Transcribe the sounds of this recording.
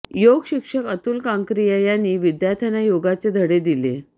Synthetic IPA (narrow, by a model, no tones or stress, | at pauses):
joɡɕikʂəkət̪uːlkãŋkɾijəjanːiːʋid̪jat̪ʰanajoɡat͡sed̪ʱəɽed̪ilḛ